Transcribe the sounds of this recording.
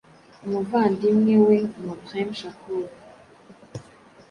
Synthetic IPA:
movandimŋeweŋmotʁɛmʃakul

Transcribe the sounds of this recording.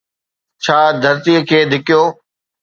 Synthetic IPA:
t͡ɕʰaːd̪ʱəɾt̪ikʰeːd̪ʱɪkɪjoː

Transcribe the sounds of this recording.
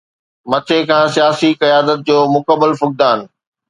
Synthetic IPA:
mɐt͡ɕʰekʰãːsijaːsikɐjaːd̪ət̪̚d͡ʑoːmʊkəbːəlfʊk̚d̪aːn

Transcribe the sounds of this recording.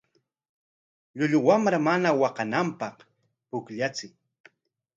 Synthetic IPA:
ʎʊʎʊwamɾamanawɑqɑnampɑq | pʊkʎat͡sɪj

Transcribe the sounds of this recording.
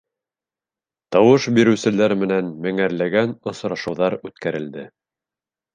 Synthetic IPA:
t̪ɑwɤʃbiɾɘ̆wsɘ̆læɾmɘ̆nænmɘŋæɾlæɡænŏsɾɑʃɤ̆wðɑɾʉt̪kæɾɘ̆ld̪ɘ

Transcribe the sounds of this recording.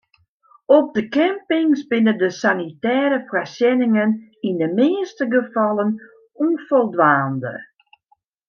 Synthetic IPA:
ɔp̚dəkɛmpɪŋsbɪnədəsanitɛːɾəfrasjɛnɪŋənindəmeːəstəɡəfɑlˠən | unfɔlˠdʋaːndə̰

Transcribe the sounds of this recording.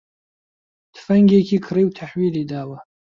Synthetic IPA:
d̥ʰfaŋɡʲekʲʰikʰriwtʰaħɥilidaːwa

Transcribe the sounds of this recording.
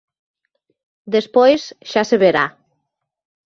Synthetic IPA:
d̪espojsʃaseβeɾa

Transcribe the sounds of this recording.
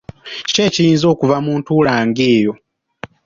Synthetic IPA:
ce̞ːcijiːnzo̞ːkuvamuːntulaːŋɡeːjo̞

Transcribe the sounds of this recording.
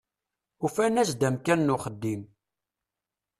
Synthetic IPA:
ufænæsd̪æmkænːʊχəd̪ːim

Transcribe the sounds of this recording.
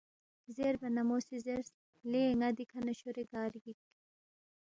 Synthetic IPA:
zeɾbɐnamosizeɾs | leŋad̪ikʰanɐɕoɾeɡaːɾɡik

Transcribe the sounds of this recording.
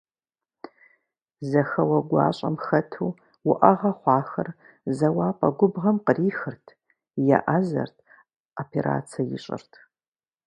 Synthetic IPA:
zɐxɐwɐɡʷɑ̰ːɕʼɐ̰mxɐtʰuː | wʊʔɐʁɐχʷɑːxɐr | zɐwaːpʼɐɡʷʊbʁɐmqəriːxɨrtʰ | ja̰ʔazɐ̰rtʰ | opʰeɾa̰ːt͡sʰɐjɪ̰ɕʼɪ̰rtʰ

